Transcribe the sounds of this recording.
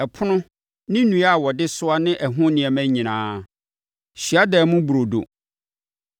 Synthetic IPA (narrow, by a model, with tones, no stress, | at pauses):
ɛ˨pʰʊ˦nʊ̃˦ | nɪ̃˦nũ˨˦a˦˨wɔ˨dɪ˦sʊ˦a˦nɪ̃˦ʔɛ˨ɦʊ̃˦nɪ̃˨ɛ˨mæ̃˦ɲĩ˨nãː˨˦ | ɕi˨a˦dɛː˨mʊ̃˦bu˨ɾo˨do̰˨